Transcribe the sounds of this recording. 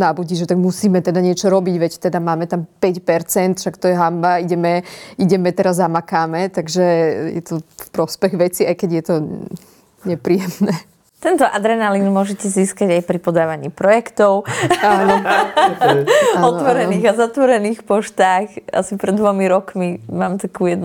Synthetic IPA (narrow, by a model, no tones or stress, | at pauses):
nabuɟiːʒɛt̪aɡmusiːmɛt̪ɛd̪aɲɪɛt͡ʃɔɾɔbiɟʋɛct̪ɛd̪amaːmɛt̪ampɛcpɛɾt͡sɛnt̪fʃakt̪ɔjɛɦambaiɟɛmɛiɟɛmɛt̪ɛɾazːamakaːmɛt̪aɡʒɛjɛ̰t̪ɔfpɾɔspɛɣʋɛt͡siajkɛɟjɛt̪ɔ | ɲɛpɾiːjɛmnɛː | t̪ɛnt̪ɔʔad̪ɾɛnalinmʊɔʒɛcɛziːskaɟajpɾipɔd̪aːʋaɲiːpɾɔjɛkt̪ɔʊanɔ | aɔnt̪ʋɔɾɛiːɣazat̪ʋɔɾɛniːxpɔʃt̪aːxʔa̰sipɾɛd̪d̪ʋɔmiɾɔkmimaːmt̪akuːjɛd̪n